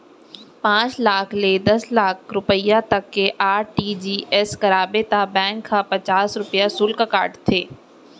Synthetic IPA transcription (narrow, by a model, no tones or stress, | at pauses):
pãːt͡ʃlaːkʰled̪ɐslaːkʰɾʊpəjãt̪ɐkːeʔaːɾʈiːd͡ʒiːʔɛskɐɾaːbet̪abɛ̃ːŋkʰːapɐt͡ʃaːsɾʊpjasʊlkakaːɾʈt̪ʰeː